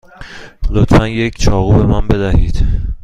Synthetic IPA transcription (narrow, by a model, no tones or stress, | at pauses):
lot̪ʰfænje̞cʰt͡ʃʰɒːɣuːbe̞mænbe̞d̪æhiːd̪̥